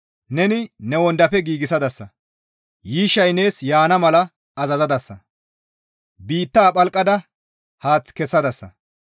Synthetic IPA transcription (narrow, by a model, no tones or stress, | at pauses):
nɛnɪnɛwɔnd̪ɐpɛɡiːɡɪsɐd̪ɐsːɐ | jiːʃːɐjne̞ːsjaːnɐmɐlɐ | ɐzɐzɐd̪ɐsːɐ | biːt̪ːaːpʼɐlkʼːɐd̪ɐ | haːt͡skɛsːɐd̪ɐsːɐ̰